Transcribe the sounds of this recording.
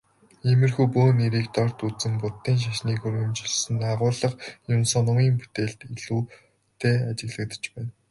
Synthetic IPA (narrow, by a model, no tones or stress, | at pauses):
imɘ̆rxuːpoːneɾiːkt̪ɔr̥ʲt̪ut͡sɘ̆mpʊt̪ːiːnʃ̬aʃniːkɵɾɵ̆mt͡ɕɪ̆ɮsɘ̆naːʁʊːɮə̆χjʊnsɔnʊŋiːmput̪eːɮt̪iɮuː | t̪ʰeːat͡ɕɪ̆ɣɮə̆k̚t̪ə̥̆t͡ɕpæːn